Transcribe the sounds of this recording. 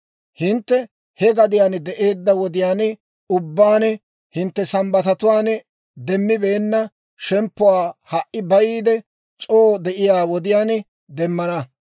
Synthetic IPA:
hɪnt̪ːɛ | hɛɡɐd̪ɪjaːnd̪ɛʔe̞ːd̪ːɐwɔd̪ɪjaːn | ʊbːaːnɛ | hɪnt̪ːɛsɐmbɐt̪ɐt̪ʊwaːn | d̪ɛmːɪbe̞ːnːɐ | ʃɛmpːʊwaːhɐʔːɪbɐjiːd̪ɛ | t͡ʃʼoːd̪ɛʔɪjaːwɔd̪ɪjaːn | d̪ɛmːɐnɐ

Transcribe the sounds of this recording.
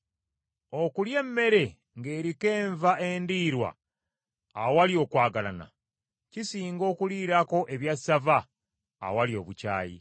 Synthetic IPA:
okulje̞mːe̞ɾe̞ | ŋɡe̞ːɾike̞ːɱvaʔe̞ndiːɾwa̰ː | waljo̞ːkwaːɡala̰na̰ | cisiːŋɡo̞ːkuliːɾako̞ʔe̞βjasːava̰ː | waljo̞ːβuca̰ːjḭ

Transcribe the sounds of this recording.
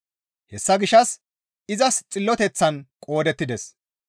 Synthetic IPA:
hɛsːɐɡɪʃɐs | ɪzɐst͡sʼɪlːɔt̪ɛt͡sːɐnkʼo̞ːd̪ɛt̪ːɪd̪ɛs

